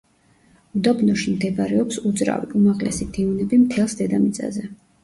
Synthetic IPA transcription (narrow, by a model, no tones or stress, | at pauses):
ud̪abnɔʃimd̪ɛbaɾɛɔpsud̪zɾa̰viʔumaʁlɛ̰sid̪iunɛbimt̪ʰɛlˠsd̪ɛd̪amit̪sʼa̰zɛ